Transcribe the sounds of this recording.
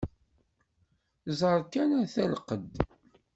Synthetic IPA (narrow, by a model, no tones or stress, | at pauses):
zˤəɾˤkːænæθælqəd̪